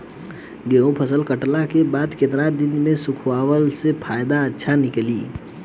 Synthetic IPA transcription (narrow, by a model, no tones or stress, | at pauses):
ɡeũpʰəsəlkəʈlakebaːd̪ket̪ɾad̪ɪnmẽsʊkʰwaːwəlsepʰaːjd̪aətːʃʰanɪkliː